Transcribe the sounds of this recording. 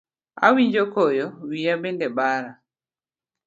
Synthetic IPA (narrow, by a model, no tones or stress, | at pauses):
a̰wiɲd͡ʒokojowijabendebaɾa